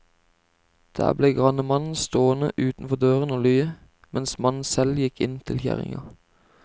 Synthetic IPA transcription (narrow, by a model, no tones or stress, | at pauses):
d̪̥æ̰ːbleːɡʁɑnəmɑnn̩st̪oːənəʔʉːt̪n̩fɔd̪øːʁənoːlyːə | mɛnsmɑnn̩sɛljɪkʰɪnt̪ʰɪlçæ̰ʁɪ̰ŋɑ̰